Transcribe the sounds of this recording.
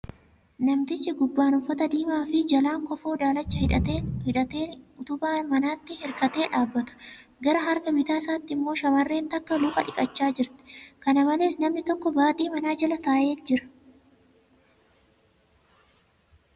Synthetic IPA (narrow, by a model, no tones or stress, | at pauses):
nɐmt̪ɪt͡ʃːɪɡʊbːaːnʊfːɐt̪ɐd̪iːmaːfɪd͡ʒɐlaːŋkɔfoːd̪aːlɐt͡ʃːɐhɪᶑɐehɪᶑɐt̪eːʊt̪ʊbaːmɐnaːt̪ːɪhɛɾkɐt̪e̞ːᶑaːbːɐt̪ɐ̥ | ɡɐɾɐɦɐɾkɐbɪt̪aːsaːt̪ːɪɪmːo̞ːʃɐmɐrːeːnt̪ɐkːɐlʊːkʼɐᶑɪkʼɐt͡ʃːaːd͡ʒɪɾt̪ɪ̥kɐnɐmɐle̞ːsnɐmnɪt̪ɔkːɔbaːt̪ʼiːmɐnaːd͡ʒɐlɐt̪aːʔe̞ːnd͡ʒɪɾɐ̥